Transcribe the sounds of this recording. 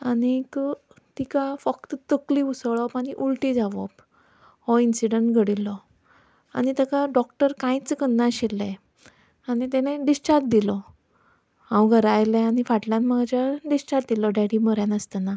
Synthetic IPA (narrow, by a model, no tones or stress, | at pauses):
anik | t̪ikafəkt̪t̪əkliusəɭɔpaniʔulʈid͡zaʋɔ̰p | hɔinsiɖəɳʈɡʱəɽilɔ | a̰nit̪əkaɖɔkʈəɾkãjt͡skənːaɕilːe | anit̪ɛneɖisʈaɾt̪̚d̪ilɔ | hãwɡʱəɾajlɛañifaʈljãnmaɡd͡ʑaɖisʈaɾt̪̚d̪ilɔɖaɽiməɾjãnəst̪ana